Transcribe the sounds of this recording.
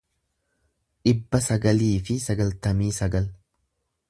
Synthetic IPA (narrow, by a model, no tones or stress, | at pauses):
ᶑɪbːɐsɐɡɐliːfɪsɐɡɐlt̪ɐmiːsɐɡɐl